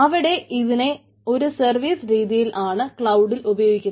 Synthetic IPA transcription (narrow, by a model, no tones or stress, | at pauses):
ɐʋiɽe̞ʔiðine̞ | o̞ɾusɐrʋiːsɾiːðijilʔaːɳɨkɭɐwɖilubɐjoːɡikʲːun